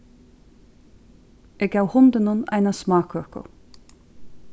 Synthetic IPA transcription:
ɛkawhʊnt̪ɪnʊna̰jnasmaːkʰœhkʊ̰

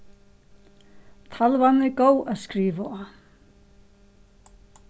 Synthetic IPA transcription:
t̪ʰalvanːɪkoːwaðskɾiːvaɔ

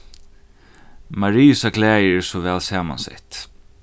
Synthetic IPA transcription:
maɾiːʊsakʰlæːjɛsɔʋɛːlsaːma̰nsɛ̰ht̪

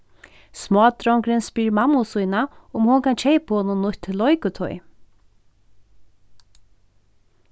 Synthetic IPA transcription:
smɔːt̪ɾɔwŋkɾɪnspiːɾmamːʊsujnaʊmhɔnkʰant͡ʃʰejphoːnʊnːʊht̪ʰːɪlːɔjkʊt̪ʰɔj

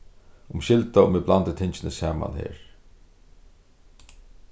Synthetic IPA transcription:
ʊmʃɪlt̪aʊmɪblant̪ɪt̪ʰɪnt͡ʃɪnɪsaːma̰nɦḛːɹ

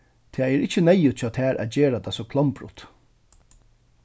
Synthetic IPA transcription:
t̪ʰaːɛɾɪt͡ɕːənɛjːʊt̪̚t͡ɕʰɔːt̪ʰæːɾʔa̰t̪d͡ʑeːɾat̪ʰasɔkʰlɔmpɾʊ̰t̪

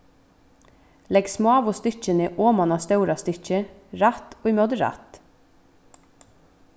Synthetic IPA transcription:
lɛɡsmɑːʋɔst̪ʏc͡çənəʔoːmɑnɑst̪œʉɾɑst̪ʏc͡çəɾæt̪oːimɔd̪ɾæ̰t̪

